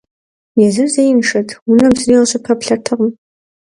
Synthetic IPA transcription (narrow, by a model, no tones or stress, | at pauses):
jazɨrzejnʂatʰunɨmsrilaʃʷapʰapʰɬartʰɨqʼm